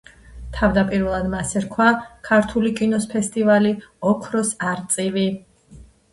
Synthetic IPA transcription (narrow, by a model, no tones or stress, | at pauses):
t̪ʰavd̪apʼiɾvɛlˠad̪masɛɾkʰwakʰaɾt̪ʰulikʼinɔspʰɛst̪ʼivaliɔkʰɾɔsaɾt̪sʼivi